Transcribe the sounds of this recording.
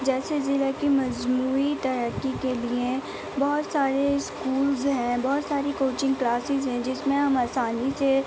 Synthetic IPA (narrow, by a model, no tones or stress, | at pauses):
d͡ʒɛːsezɪlakimɐd͡ʒmuːit̪ɐɾəkːikelie | bɔːt̪saːɾeskuːlzɦɛ̃ːbɔɦːt̪saːɾikoːt͡ʃɪ̃ŋɡklaːsɪzɦɛ̃d͡ʒɪsmẽɦɐmaːsaːnise